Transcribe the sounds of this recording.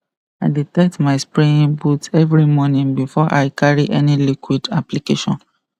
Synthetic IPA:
aɪditɛtmaɪspɹĩbutɛvɹimɔnĩŋbifɔʔaɪkʰaɹiʔɛnilikwidaplikeʃɔ̰̃n

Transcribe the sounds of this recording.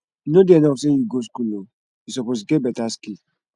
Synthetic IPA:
nodeɛnɔksejiɡoskulo | isɔpos̬ɡebɛtaski

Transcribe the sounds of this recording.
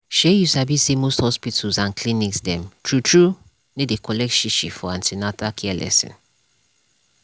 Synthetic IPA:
ʃejusabisemosthɔspitʰəlzãnkʰlĩniksdɛ̃mtʰɹutʰɹu | nedekʰɔlɛk̚tʃiʃifɔãntʰinatakʰɛlʔɛ̰sɛ̰̃n

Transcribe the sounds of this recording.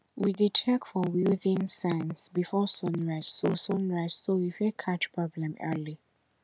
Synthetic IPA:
widitʰɛkfɔwiðĩnsãɪ̃nsbifɔsɔ̃nɹasosɔ̃nɹaɪsːowifɛkʰat͡ʃpʰɹɔblɛ̃mɛ̰li

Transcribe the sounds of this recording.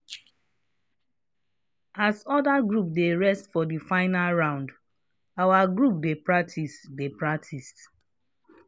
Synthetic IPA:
asɔdaɡɹup̚deɹɛstfɔdifaɪnalɹãʊ̃nd | awaɡɹup̚depɹak̚tʰisdepɹak̚tʰist

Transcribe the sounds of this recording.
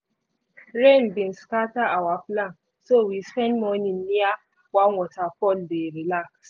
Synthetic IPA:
ɾẽnbĩnskataʔawaflãŋ | sowispɛ̃ndmɔninːia | wawɔtafɔldeɾilaks

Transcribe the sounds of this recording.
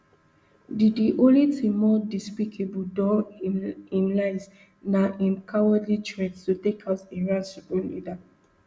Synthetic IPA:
didiʔõlitʰẽmːɔdispikʰebudɔ | ĩnlaɪs | naʔĩnkʰawədlit͡ʃʰɹɛ̃tstutekʰasĩɹãnsipɔlḭda

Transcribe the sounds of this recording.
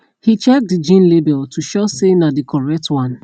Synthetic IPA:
hit͡ʃɛk̚did͡ʒĩnlebɛltʰuʃɔsenadikʰɔɹɛk̚twãn

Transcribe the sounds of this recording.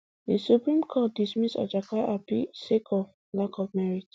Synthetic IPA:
disupɹĩmkʰɔt̚dismitsa̰d͡ʒakaʔapḭsekʰɔ | lakʰɔfmɛɹid

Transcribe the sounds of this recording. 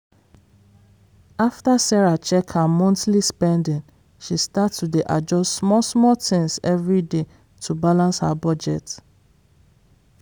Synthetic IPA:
aftasɛɹat͡ʃɛkʰamɔ̃ntlispɛ̃ndĩn | ʃistatːudeʔad͡ʒɔstsmɔsmɔtĩŋsɛvɹide | tʰubalãnshabɔd͡ʒɛt

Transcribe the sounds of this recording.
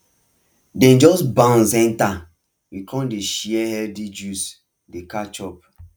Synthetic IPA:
dɛ̃nd͡ʒɔsbãnzɛ̃nta | wikʰɔ̃ndeʃiɛhɛldid͡ʒus | dekat͡ʃɔp̚

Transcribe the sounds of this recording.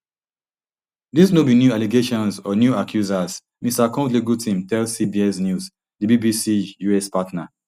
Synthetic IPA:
disnobinjualiɡeʃɔ̃nsɔnjuakʰjuzas | mistakɔ̃tliɡutʰĩmtɛlsibiɛsnjus | dibibisijuɛspatna

